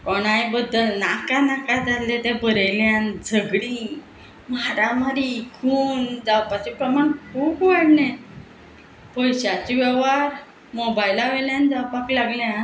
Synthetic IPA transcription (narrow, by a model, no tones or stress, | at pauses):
kɔɽ̃ajbəd̪ːəlnakanakad͡zalet̪ɛ̃bəɾəjljãnd͡zʱəɡɽi | maɾamaɾiikʰuːnd͡zawpat͡ɕepɾəmankʰuːpʋaɽne | pɔjɕat͡ɕiʋɛʋaɾ | mɔbajlaʋeljãnd͡zawpaklaɡlja